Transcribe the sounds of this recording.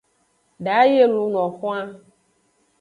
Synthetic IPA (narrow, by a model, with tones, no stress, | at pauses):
ɖa˨˦je˦lu˨˦n˨ɔ̃˨xɔ̃˦a˦